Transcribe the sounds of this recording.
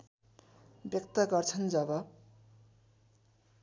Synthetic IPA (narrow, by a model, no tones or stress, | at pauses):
bjʌkt̪ʌɡʌrt͡sʰʌnd͡zʌbʌ